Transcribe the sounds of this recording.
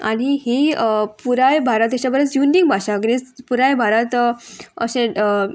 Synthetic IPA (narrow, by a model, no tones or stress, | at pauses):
añihipuɾajbʱaɾat̪aɕabəɾət͡sjundiŋɡbʱaɕaɡɾet͡spuɾajbʱaɾat̪ə̰ɕẽ